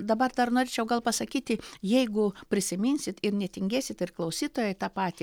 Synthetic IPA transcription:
d̪ɐbɐrd̪ɐrnoːɾʲeːt͡ʃʲɛʊɡɐlˠpɐsɐkʲiːt̪ʲɪjɛɪɡʊpʲɾʲɪsʲɪmʲinʲsʲɪt̪ɪrnʲɛt̪ʲɪŋʲɡʲæːsʲɪt̪ɪrklˠɐʊsʲiːt̪oːjɛɪt̪ɑːpɑːt̪ʲɪ

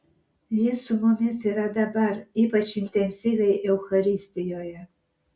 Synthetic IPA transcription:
jinsumomʲiseɾad̪abaripat͡ʃint̪ensʲivejeuxaɾist̪ijoja

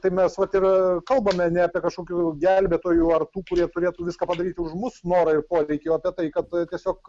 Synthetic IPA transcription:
t̪ɐɪmʲɛsʋɐt̪ɪrkɐlˠbɐmʲɛnʲɛɐːpʲiɛkɐʃkoːkʲuːɡʲælʲbʲɛt̪oːjuɐrt̪uːkʊɾʲiɛt̪ʊɾʲeːt̪uːʋʲɪskɑːpɐd̪ɐɾʲiːt̪ʲɪʊʃmʊsnoːɾɐɪrpoːɾʲɛɪkʲeɐːpʲiɛt̪ɐɪkɐt̪t̪ʲiɛsʲoːk

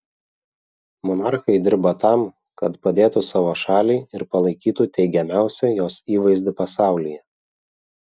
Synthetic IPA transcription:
mɔnɑɾxɐɪd̪ʲɪɾbɐt̪ɑm | kɐt̪pɐd̪ʲeːt̪usɑːʋoːʃɑːlʲɛɪɪɾpɐlˠɐɪkʲiːt̪ut̪ʲɛɪɡʲɛmʲæˑʊsʲɛjoːsiːʋɐɪzʲd̪ʲɪpɐsɑˑʊlʲɪjɛ

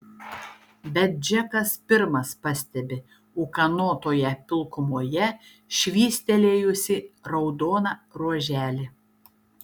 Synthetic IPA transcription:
bʲɛt̪̚d͡ʒʲɛkɐspʲɪɾmɐspɐsʲt̪ʲɛbʲɪ | ʊkɐnoːt̪oːjɛpʲɪlˠkʊmoːjɛ | ʃʲʋʲiːsʲt̪ʲɛlʲeːjʊsʲɪɾɒʊd̪oːnɑɾuɔʒʲæːlʲɪ

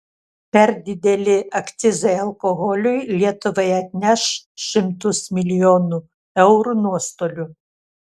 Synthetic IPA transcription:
pʲɛɾd̪ʲɪd̪ʲɛlʲɪɐkt̪sʲɪzɐɪɐlˠkoɣɔlʲʊjlʲiɛt̪ʊʋɐɪɐt̪ʲnʲɛʃʃʲɪmt̪ʊsmʲɪlʲɪjoːnu | ɛʊɾunuɔst̪oːlʲʊ

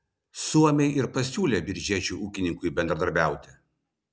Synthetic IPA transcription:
suɔmʲɛɪʔɪɾpɐsʲuːlʲebʲɪɾʲd͡ʒʲiɛt͡ʃʲuːʔuːkʲɪnʲɪŋkʊɪbʲɛnd̪ɾɐd̪ɐɾʲbʲæˑʊt̪ʲɪ

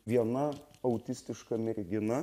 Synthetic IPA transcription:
ʋʲiɛnɐɐʊt̪ʲɪsʲt̪ʲɪʃkɐmʲɛɾʲɡʲɪnɐ

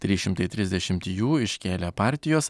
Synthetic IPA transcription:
t̪ʲɾʲiːʃʲɪmt̪ɐɪt̪ʲɾʲɪzʲd̪ʲɛʃʲɪmt̪ʲjuːɪʃʲkkʲeːlʲepɑˑɾʲt̪ʲɪjoːs

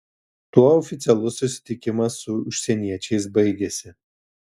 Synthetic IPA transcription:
t̪uɔɔfʲɪt̪sʲɛlˠʊsːʊsʲɪ̥t̪ʲɪkʲɪmɐsʊʊʃʲsʲɛnʲiɛt͡ʃʲɛɪsbɐɪɡʲɛsʲɪ

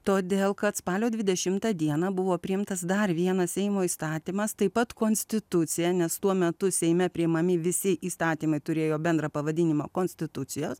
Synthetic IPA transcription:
t̪oːd̪ʲeːlˠkɐt̪spɑːlʲoːd̪ʲʋʲɪd̪ʲɛʃʲɪmt̪ɑd̪ʲiɛnɑbʊʋoːpʲɾʲɪɪmt̪ɐsd̪ɐrʋʲiɛnɐssʲɛɪmoːiːst̪ɑːt̪ʲiːmɐst̪ɐɪpɐt̪koːnʲsʲt̪ʲɪt̪ʊt̪sʲɪjɛnʲɛst̪uɔmʲɛt̪ʊsʲɛɪmʲɛpʲɾʲɪɪmɐmʲɪʋʲɪsʲɪʔiːst̪ɑːt̪ʲiːmɐɪt̪ʊɾʲeːjoːbʲɛnd̪ɾɐpɐʋɐd̪ʲɪnʲɪmɐ̰koːnʲsʲt̪ʲɪt̪ʊsʲɪjoːs

